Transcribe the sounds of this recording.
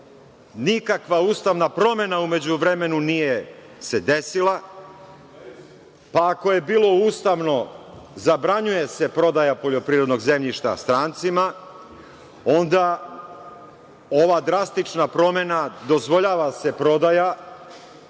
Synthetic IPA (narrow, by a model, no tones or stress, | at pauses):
nikakʋauːst̪aʋnapɾo̞me̞naume̞d͡ʑuʋɾe̞me̞nunije̞ | se̞d̪e̞sila | paːko̞je̞biːlˠo̞uːst̪aʋno̞ | zabɾaɲuje̞se̞pɾo̞d̪ajapo̞ʎo̞pɾiːɾod̪no̞ɡze̞mʎiʃt̪a̰st̪ɾaːnt̪sima | o̞nd̪a | o̞ʋad̪ɾast̪it͡ʃnapɾo̞me̞nad̪o̞zʋo̞ʎaːʋase̞pɾo̞d̪aja